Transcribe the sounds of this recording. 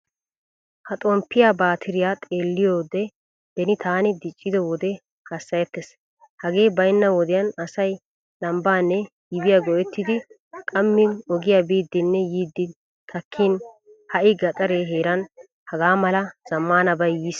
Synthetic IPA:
hɐt̪ʼɔmpːɪjaːbaːt̪ʰɪɾɪjaːt̪ʼe̞ːlːɪjoːd̪ɛ | b̪̥ɛnɪt̪ʰaːnɪd̪ɪt͡ʃʼːɪd̪ɔwɔd̪ɛ | hɐsːɐjɛt̪ːɛs | hɐɡe̞ːbɐjnːɐwɔd̪ɪjɐnɐsɐj | lɐmbaːnːɛ | jɪbɪjaɡɔɛt̪ːɪd̪ɪ | kʼɐmːɪnɔɡɪjaːbiːd̪ːɪnːɛjiːd̪ːɪ | t̪ʰɐkʰːiːn | hɐʔɪɡɐt̪ʼɐɾeːɦe̞ːɾɐn | hɐɡaːmɐlɐz̥ɐmːaːnɐbɐjjiːs

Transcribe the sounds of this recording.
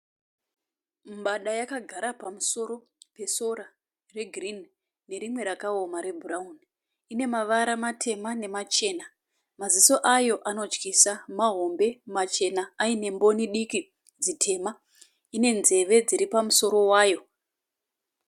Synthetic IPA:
mɓaɗajakaɡʱaɾapamuso̞ɾo̞ | pe̞so̞ɾa | re̞ɡʱrin | ne̞ɾimwe̞ɾakaomaɾe̞bʱuraun | ine̞maʋaɾamatʰe̞mane̞mat͡ʃe̞na | maziso̞ʔajo̞ʔano̞t͡ʃkisamaɦo̞mbe̞mat͡ʃe̞naaine̞mbo̞niɗiki | d͡zitʰe̞ma | ine̞nze̞ʋe̞d͡ziɾipamuso̞ɾo̞waːjo̞

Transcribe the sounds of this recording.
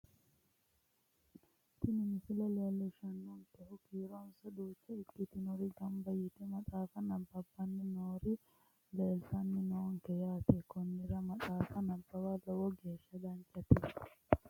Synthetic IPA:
t̪ɪnɪmɪsɪlɛleːlːɛʃɐnːɔŋkɛhʊkiːɾɔnsɐd̪uːt͡ʃːɐɪkːɪt̪ɪnʊɾɪɡɐmbɐjɪt̪ɛmɐtʼaːfɐnɐbːɐbːɐnːɪnoːɾɪ | leːlsɐnːɪnoːŋkɛjaːt̪ɛkɔnːɪɾɐmɐtʼaːfɐnɐbːɐwalɔwɔɡeːʃːɐd̪ɐnt͡ʃʼːɐt̪ɪ

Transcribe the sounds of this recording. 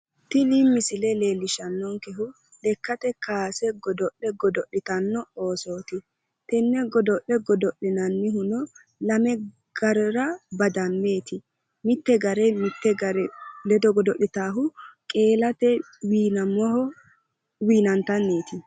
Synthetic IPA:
t̪ɪlɪmːɪsɪlɛleːlːɪʃɐnːɔŋkɛɦʊ | ɗɛkːɐt̪ɛkaːsɛɡɔd̪ɔʔɛɡɔd̪ɔʔːɪt̪ɐnːɔoːsoːt̪ɪ | t̪ɛnːɛɡɔd̪ɔʔɛɡɔd̪ɔʔɪnɐnːɪɦʊnɔ | lɐmɛ | ɡ̥ɐɾɔɾɐbɐd̪ɐmːe̞ːt̪ɪ | mɪt̪ːɛɡɐɾɛmɪt̪ːɛɡɐɾɛlɛd̪ɔɡɔd̪ɔʔɪt̪aːɦʊkʼe̞ːlɐt̪ɛ | wiːnɐmɔhɔ | wiːnɐnt̪ːɐnːe̞ːt̪ɪ

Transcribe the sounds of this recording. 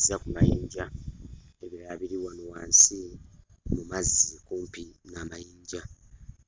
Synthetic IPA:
zakumajiːɲɟa | eβiɾaːβiɾiβwanowaːnsi | mumazːikuːmpinaːmajiːɲɟa

